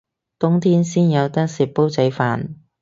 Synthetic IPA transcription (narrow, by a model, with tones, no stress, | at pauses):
t̪ʊ˥ŋt̪ʰiː˥nsiː˥njɐ˨˧wt̪ɐ˥k̚siː˨˩p̚pːo˥wt͡sɐ˨˧jfaː˨˩n